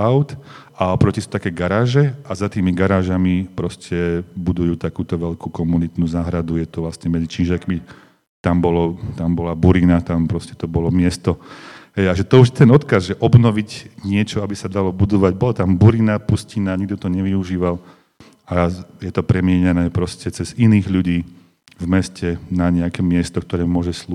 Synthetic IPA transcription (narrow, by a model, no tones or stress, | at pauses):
aʊt̪ | aɔpɾɔcisu̥t̪akɛːɡaɾaːʒɛazat̪iːmiɡaɾaːʒamipɾɔscʰɛbud̪ujuːt̪akuːt̪ɔʋɛlkukɔmunit̪nuːzaːɦɾad̪ujɛt̪ɔʋlasɲɛmɛd͡zit͡ʃinʒɛkmi | t̪ambɔlɔt̪ambɔlabuɾinat̪ampɾɔscɛ̥t̪ɔbɔlɔmɪɛst̪ɔɦɛjaʒɛt̪ɔuʒjɛt̪ɛnɔt̪kazʒɛʔɔbnɔʋiɟɲɪɛt͡ʃɔabisad̪alɔbud̪ɔʋaɟbɔlɔt̪ambuɾinapuscinaːɲiɡ̚d̪ɔt̪ɔɲɛʋiuʒiːʋal | ajɛt̪ɔpɾɛmɪɛɲanɛːpɾɔscɛt͡sɛziniːɣʎuɟiː | vmɛscɛnaɲɛakɛːmɪɛst̪ɔkt̪ɔɾɛːmʊɔʒɛslu